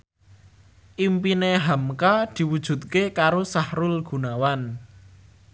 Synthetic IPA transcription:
ʔimpineɦamkad̪̥i̤wud̥ʒ̥ṳt̪̚kekaɾosahɾʊlɡ̥ṳnawan

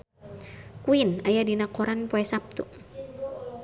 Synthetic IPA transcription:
kuinajadinakɔɾanpoɛsap̚t̪u

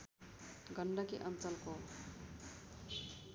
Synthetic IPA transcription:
ɡʱʌɳɖʌkiʔʌnt͡sʌlko

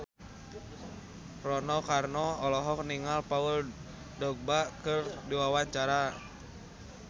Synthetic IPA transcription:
rɔnɔkarnɔɔlɔɦɔk̚niŋalpaul | dɔɡ̚bakɨrdiwawaɲt͡ʃaɾa

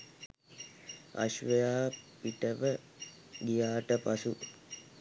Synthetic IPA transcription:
a̰ʃʋəjaːpiʈəʋə | ɡijaːʈəpasu

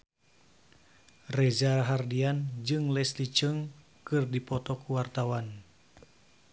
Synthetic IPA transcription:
rɛzaɦardiand͡ʒɨŋlɛslit͡ʃəŋ | kɨrdipɔt̪ɔkuwart̪awan

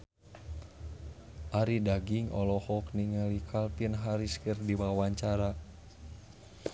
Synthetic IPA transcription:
ʔaɾidaɡiŋɔ̰lɔhɔk̚niŋəlikʰalpinɦaɾiskərdiwawaɲt͡ʃaɾa

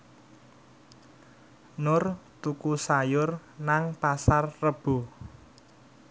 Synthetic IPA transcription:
nʊrt̪ukusajʊrnaŋpasarːəb̥o̤

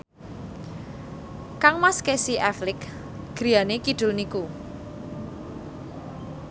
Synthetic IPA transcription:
kaŋmaskesiʔɛflɪk | ɡ̥ɾianekid̥ʊ̤lniku

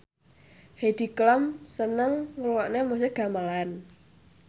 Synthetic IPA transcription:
hed̪̥i̤klɔmsənəŋːuluwaʔnemuseɡ̥a̤malan

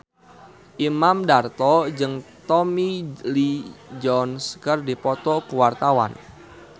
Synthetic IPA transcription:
ʔimamdart̪ɔd͡ʒɨŋt̪ɔmilid͡ʒɔnskərdipɔt̪ɔkuwart̪awa̰n

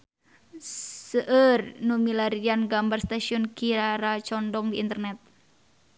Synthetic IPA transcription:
səʔərnumilaɾianɡambarst̪asiɔnkiɾaɾat͡ʃɔndɔŋdiint̪ərnɛt̪̚

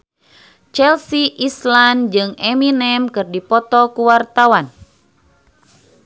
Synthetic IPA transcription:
t͡ʃɛlsiʔisland͡ʒɨŋɛminɛmkɨrdipɔt̪ɔkuwart̪awan

